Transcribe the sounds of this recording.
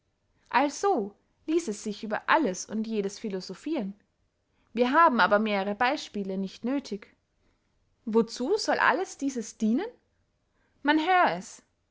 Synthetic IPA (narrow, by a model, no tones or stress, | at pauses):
ʔalz̥oː | liːsɛsz̥ɪçʔyːbɐ̰ʔaləsʊ̰ntjeːdəsfilozofiːʁən | viːɐɦaːbm̩aːbɐmeːʁəʁəbaɪʃpiːlənɪçtnøːtʰɪç | vot͡suːzɔlʔa̰ləsd̥iːzəsd̥iːnən | manɦøːʁəɛs